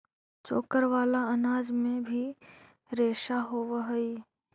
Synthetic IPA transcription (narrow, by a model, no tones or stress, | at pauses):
t͡ʃoːkəɾʋaːlaɐnaːd͡ʒmẽbʱi | ɾeːʃaɦoːʋɦəi